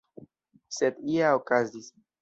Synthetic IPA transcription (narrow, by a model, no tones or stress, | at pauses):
sed̪iaokazis